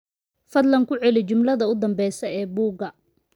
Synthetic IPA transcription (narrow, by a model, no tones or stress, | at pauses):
fɐd̪lɐŋkʰʊʕɛlɪt͡ʃʊmlɐðɐʊd̪ɐmbɛjsɐɛːbuːɡɐ